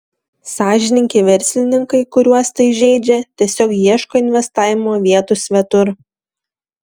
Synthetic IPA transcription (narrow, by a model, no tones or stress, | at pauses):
sɑːʒʲɪnʲɪŋʲkʲeʋʲɛɾʲsʲlʲɪnʲɪŋkɐɪkʊɾʲuɔst̪ɐɪʒʲɛɪd͡ʒʲɛt̪ʲiɛsʲoːkjiɛʃkoːɪnʲʋʲɛst̪ɑːʋʲɪmoːʋʲiɛt̪usʲʋʲɛt̪ʊɾ